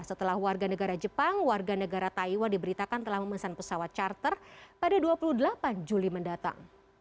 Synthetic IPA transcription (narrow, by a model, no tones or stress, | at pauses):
sət̪əlahwarɡanəɡaɾad͡ʒəpaŋwarɡanəɡaɾat̪aiwadibəɾit̪akant̪əlahməməsanpəsawat̪̚t͡ʃart̪ərpadaduapuluhdəlapand͡ʒuliməndat̪a̰ŋ